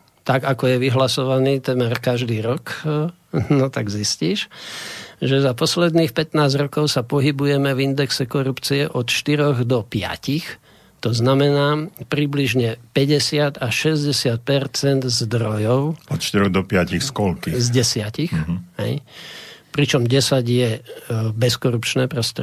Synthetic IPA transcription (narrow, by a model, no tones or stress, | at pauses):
t̪aɡakɔjɛʋiɦlasɔʋaniːt̪ɛmɛɾkaʒd̪iːɾɔk | nɔt̪aɡzisciːʃ | ʒɛzapɔslɛd̪niːxpɛt̪naːzɾɔkɔʊsapɔɦibujɛmɛvind̪ɛksɛkɔɾupt͡siɛʔɔt̪ʃt̪iɾɔɣd̪ɔpɪa̰cix | t̪ɔznamɛnaːpɾibliʒɲɛpɛɟɛsɪat̪aʃɛzɟɛsɪat̪̚pɛɾt͡sɛnd̪zd̪ɾɔjɔʊɔt̪ʃt̪iɾɔɣd̪ɔpɪacixskɔlkizɟɛsɪacixɦɛ̰j | pɾit͡ʃɔmɟɛsaɟjɛbɛskɔɾupt͡ʃnɛːpɾɔst̪ɔɾ